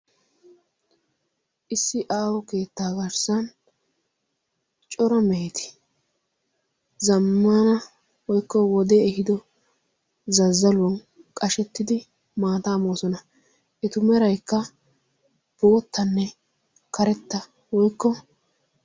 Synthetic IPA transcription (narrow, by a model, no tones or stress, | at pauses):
ʔɪsːɪʔaːwɔke̞ːt̪ːaːɡɐɾsɐn | t͡ʃʼɔɾɐmejt̪ɪ̥ | zɐmːanɐ | wɔjkːɔwɔd̪ɛːɦɪd̪ɔ | zɐzːɐlʊwɔn | kʼɐʃɛt̪ːɪd̪ɪ | maːt̪aːmoːsɔnɐ | ʔɛt̪ʊmɛɾɐjkːɐ | b̥oːt̪ːɐnːɛ | kɐɾɛt̪ːɐ | wɔjkːɔ